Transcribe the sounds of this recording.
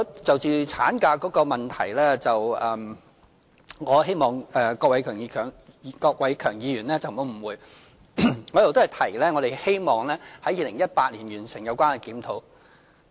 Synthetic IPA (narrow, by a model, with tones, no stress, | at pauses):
ɔ˧t͡sɐ˨wt͡siː˨˩t͡sʰaː˨˥nkaː˧kɔː˨˥kɔː˧mɐ˨˩nt̪ʰɐ˨˩jlɛː˥t͡sɐ˨wɛː˨m | ŋɔː˨˧ɦe˥jmɔː˨ŋʔɛː˨kɔ˧k̚wɐ˨˥jkʰœː˨˩ŋiː˧kʰœː˨˩ŋkɔː˧k̚wɐ˨˧jkʰœː˨˩ŋjiː˨˧jyː˨˩nlɛː˥t͡sɐ˨wmo˨˧˥m̩˨˩wuː˨˧j | ŋɔː˨˧jɐ˨˩wt̪o˥hɐ˨˩jt̪ʰɐ˨˩jlɛː˥ŋɔ˨˧d̪e˨˩jhe˥jmɔː˨˩ŋlɛː˥hɐ˨˥jiː˨˧lɪ˨˩ŋjɐ˥t̚paː˧t̚liː˨˩nɥyː˨˩nsɪ˨˩ŋjɐ˨˧wkʷwaː˥nɛ˨kiː˨˥mt̪ʰo˨˥w